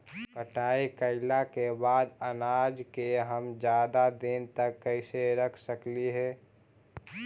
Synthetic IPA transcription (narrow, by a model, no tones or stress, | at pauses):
kəʈaːikəɪlakebaːd̪ənaːd͡ʒkeɦəmd͡ʒjaːd̪ad̪ɪnt̪əkːəɪseɾəkʰsəkliɦɛː